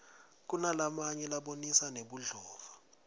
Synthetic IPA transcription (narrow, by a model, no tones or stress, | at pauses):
k̬unalamaɲɛlaɓonisaneɓuɮɔːva